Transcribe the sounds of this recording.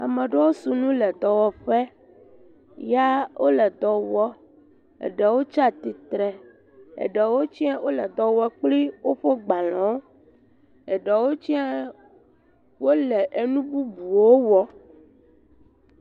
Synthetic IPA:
a̰˨mɛ̃˨ɖɛ˦wo˦su˨nũ˦lɛ˨d̪ɔ˨wɔ˨ɸɛ˦ | ja˦wʔo˦lɛ˨d̪ɔ˨wɔ˦ | ḛ˨ɖɛ˨wo˦t͡ʃa˦˨t̪i˨t̪ɾɛ˨ | ḛ˨ɖɛ˨wo˦t͡ɕi˦a˦wo˦lɛ˨d̪ɔ˨wɔ˦k͡pli˦wo˦ɸo˦ɡ͡ba˨lɔ̃˨˦ | ɛ˨ɖɛ˨wo˦t͡ʃi˦ɛ˦ | wo˦lɛ˨ʔe˨nũ˦bu˦bu˨wo˦wɔ˦

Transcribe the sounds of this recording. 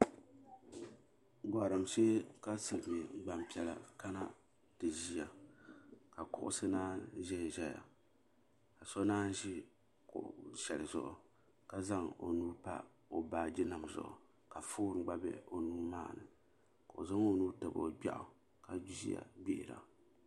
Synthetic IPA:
ɡ͡ba˨ɾɨ˨mʃe˦ka˦sɨ˨lɨ˨me˨˦ɡ͡ba˨m˨pi˦ɛ˦la̰˨ka˦na˦ | tɨ˨ʒi˦ja˨ | ka˨kʊ˦ʔʊ̰˦sɨ˦naː˦ʒɛ˦jʒɛ˦ja̰˨ | ka˨sɔ˦naː˦n˦ʒi˦ | ko̰˨ʃɛ˨lɨ˨zʊ̰˨ʔʊ̰˨ | ka˦za˦ŋo̰˨nuː˦pa̰˦ | o˨baː˦d͡ʒɪ˦na˨mzʊ̰˨ʔʊ̰˨ | ka˨foː˦ɾɡ͡ba˦bɛ̰˦o˨nuː˦ma̰ː˦˨nɨ˨ | ko˨ʔʊ̰˨za˦ŋo˦nuː˦tɨ˨bo̰˦ɡ͡ba̰˦ʔʊ̰˨ | ka˨d͡ʒu˦zḭ˦a̰˨be˦ʔɪ˨ɾa̰˨

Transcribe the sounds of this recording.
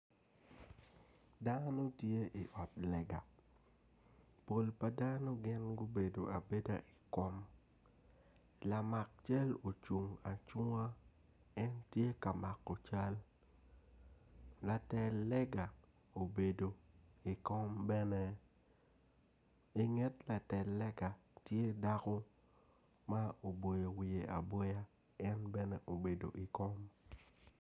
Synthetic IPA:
da˦no˦tje˦ʔi˨ʔɔ˨t̚lɛ˨ɡa˨ | po˨lpa˨da˦no˦ɡɪ˦nɡo˦be˨do˨a˨be˦da˦ʔi˨kɔ˦m˨ | la˨ma˨k̚t͡ʃa˦lo˨t͡ʃu˨ŋa˨t͡ʃu˦a˦ | ɛ˦ntje˦ka˨ma˨kːɔ˨t͡ʃa˦l | la˨tɛ˨lːɛ˦ɡa˨ | o˨be˨do˨i˨kɔ˦mbɛ˦nɛ˦ | i˨ŋɛ˦tla˨tɛ˨lːɛ˦ɡa˨tje˦da˦kɔ˦ | ma˦o˨bo˨je˨wi˨je˨ʔa̰˨bɔ˦ja˦ | ɛ˦nbɛ˦nɛ˦ʔo˨be˨do̰˨ʔi˨kɔ˦m

